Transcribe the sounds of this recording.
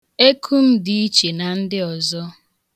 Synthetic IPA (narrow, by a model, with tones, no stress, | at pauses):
e˦kʰu˦m̩˦di˦i˦t͡ʃe˨na˨n̩˦dɪ˦ɔ˨zɔ˦